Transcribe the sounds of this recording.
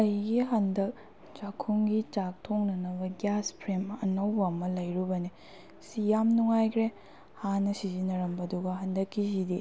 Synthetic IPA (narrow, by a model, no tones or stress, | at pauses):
ɐjɡiɦɐndɐk̚ | t͡ʃakʰːuŋɡit͡ʃak̚tʰoŋnɐnɐbɐɡjaspʰɾemɐ̰nɐwbɐːmɐlɐjɾubɐni | sijamnuŋajkʰɾe | hanɐsizinɐɾɐmbɐduɡɐɦɐndɐkːizidi